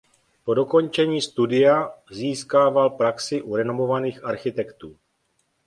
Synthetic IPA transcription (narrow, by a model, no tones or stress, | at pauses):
po̞do̞ko̞nt͡ʃɛɲiːst̪udɪjaziːskaːvalpɾaksɪʔuɾɛno̞mo̞vaniːxʔaɾxɪt̪ɛkt̪uː